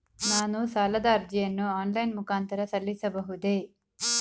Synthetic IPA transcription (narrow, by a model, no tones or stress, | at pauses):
naːnusaːlɐd̪aːɾd͡ʒijɐnːuaːnlɐjnmukaːnt̪ɐɾɐsɐlːisɐbɐɦud̪eː